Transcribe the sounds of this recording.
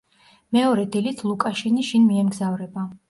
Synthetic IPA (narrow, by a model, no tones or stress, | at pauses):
mɛɔɾɛd̪ilit̪ʰlˠukʼaʃiniʃinmiɛmɡzavɾɛba